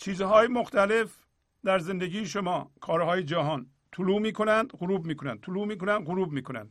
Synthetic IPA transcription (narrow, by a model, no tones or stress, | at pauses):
t͡ʃʰiːzɦɒːjemoxt̪ʰæle̞f | d̪æɾzend̪eɡiːjeʃomɒːkʰɒːɾhɒːjed͡ʒæɦɒːn | t̪ʰuluːmiːkʰonænd̪ɣʊɾuːbmiːkʰonænd̪t̪ʰuluːmiːkʰonænd̪ɣʊɾuːbmiːkʰonæ̰nd̪̥